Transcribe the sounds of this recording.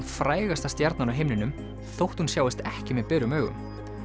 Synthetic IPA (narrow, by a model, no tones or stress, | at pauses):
nfɾaːjɣast̪ast̪jɛɾt̪nanawɦejmnɪnʏm | θowht̪hunsjaːwɪst̪ɛhcɪmɛðpɛːɾʏmœːɣʏ̰m